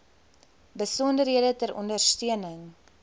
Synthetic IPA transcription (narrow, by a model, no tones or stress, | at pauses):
bəsɔndərɦiədətəɾɔ̰ndərstyənəŋ